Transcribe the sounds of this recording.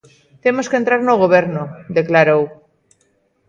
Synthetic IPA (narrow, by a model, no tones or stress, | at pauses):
t̪emoskent̪ɾaɾnoɣoβ̞eɾnod̪eklaɾow